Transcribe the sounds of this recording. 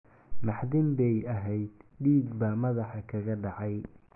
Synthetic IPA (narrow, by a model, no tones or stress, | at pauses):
nɑħðɪmbɛjɐɦɛjd̪ɖiːɡbaːmɐðɑħɑkʰɐɣɐɖɑʕɑj